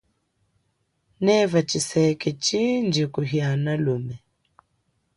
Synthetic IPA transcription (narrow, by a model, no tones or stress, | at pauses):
nɛvat͡ʃisɛkɛt͡ʃind͡ʒikuɦianalumɛ